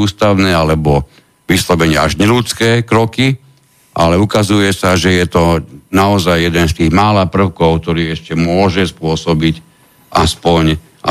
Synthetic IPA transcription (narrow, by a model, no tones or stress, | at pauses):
uːst̪aʊnɛːalɛbɔ | ʋislɔbɛɲɪɛaʒɲɛlut͡skɛːkɾɔki | ʔa̰lɛukazujɛsaʒɛjɛt̪ɔnaɔzajjɛd̪ɛnst̪iːɣmaːlaːpr̩ʊkɔʊk̚t̪ɔɾiːɛʃcɛmʊɔʒɛspʊɔsɔbic | ʔaspɔɲ | ʔa